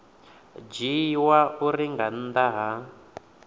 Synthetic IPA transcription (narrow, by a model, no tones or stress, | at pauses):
d͡ʒiwauɾiŋɡan̩d̪aɦa